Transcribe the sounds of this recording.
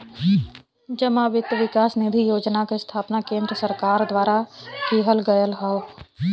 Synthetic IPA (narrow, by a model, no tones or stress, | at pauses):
d͡ʒəmaːʋɪt̪ʋɪkaːsnɪd̪ʱijoːd͡ʒnakest̪ʰaːpnakẽːnd̪ɾəsəɾkaːɾd̪waːɾakiːɦəlɡəjəlɦɛo